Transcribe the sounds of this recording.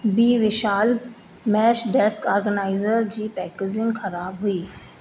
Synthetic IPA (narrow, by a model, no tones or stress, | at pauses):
biːʋɪʃaːl | mɛːʃɖɛːskaːɾɡənaːɪzəɾd͡ʑiːpɛːked͡ʑɪŋxɐɾaːbɦʊiː